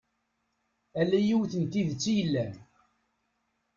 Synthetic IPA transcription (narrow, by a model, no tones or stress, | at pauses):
ælːæjiwθənt̪iðt͡sːijəlːæn